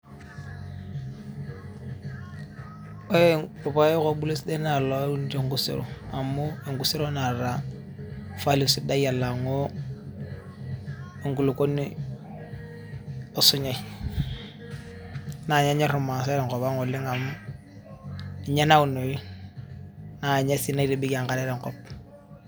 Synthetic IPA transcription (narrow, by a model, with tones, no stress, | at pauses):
o˦˨po˨pa˦ko˦bu˦le˦sde˦na˨lo˦u˦n˦te˦˨ŋɡu˦sḛ˨ɾo̰˨a˨mu˦e˨ŋɡu˦se˦ɾo˦na˨ɾa˨ | fa˦li˨si˦da˦ja˨la˨ŋo˦ | e˨ŋɡu˨lo˨ko˦ni˦ | o˨su˦ɲa˨i | na˨ɲa˦ɲe˦ɾu˨ma˨s̬e˦ɾe˨ŋko˨ba˦ŋo˨li˦ŋa˨m˦ | i˨ɲe˦na˦u˨no˨ɾi˦ | na˨ɲe˦si˦na˦i˦ɾi˦bi˦ka˨ŋka˨ɾe˦ɾe˨ŋkɔ˦p̚